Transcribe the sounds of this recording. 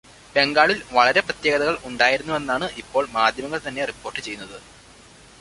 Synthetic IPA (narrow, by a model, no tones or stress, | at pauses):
be̞ŋɡaːɭilʋɐɭɐɾe̞prɐt̪je̞ːɡɐðɐɣɐɭuɳɖaːjiɾunːue̞nːaːɳɨʔipːo̞ːɭmaːd̪ʱjɐmɐŋːɐɭt̪ɐnːe̞ripːo̞ːrʈːɨt͡ɕe̞junːɐðɨ